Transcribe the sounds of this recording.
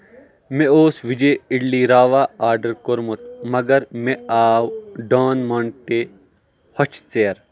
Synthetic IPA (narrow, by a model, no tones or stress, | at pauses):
meoːsʋid͡ʒeɪɽliːɾaːʋaːaːɾɖɐɾkoɾmut̪̚mɐɡɐɾmeaːwɖaːnmɐɳʈe | hɐt͡ʃt͡seːɐɾ